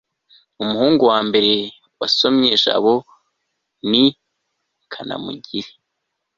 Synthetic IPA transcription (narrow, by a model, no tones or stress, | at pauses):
umuhuːŋɡuwaːmbe̞ɾe̞ | waso̞mɲeʒa̰βo̞ | ni | kʰana̰mṵɟiɾe